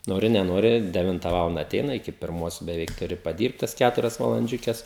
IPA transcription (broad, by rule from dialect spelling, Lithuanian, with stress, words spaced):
ˈnoːrʲɪ nʲɛˈnoːrʲɪ dʲɛˈʋʲɪntɐ ˈʋɑːlˠɐndɐ ɐˈtʲɛɪnɐ ɪˈkʲɪ pʲɪrˈmoːs bʲɛˈʋʲɛɪk tʊˈrʲɪ pɐˈdʲiːrpt tɐs ˈkʲætʊrʲɛs ʋɐlˠɐnʲˈd͡ʒʲʊkʲɛs